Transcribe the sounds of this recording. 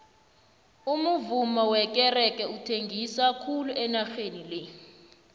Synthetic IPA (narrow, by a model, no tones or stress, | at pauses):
umuvumɔwɛk̬ʼɛrɛkʼɛutʰeŋɡʱisakʰuluʔɛnaxenilɛ